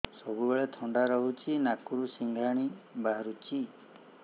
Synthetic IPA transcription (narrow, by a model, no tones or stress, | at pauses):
sɔbubeɭet̪ʰɔɳɖaɾɔɦut͡ʃʰinakuɾusiŋɡʱaɽ̃ibaɾut͡ʃi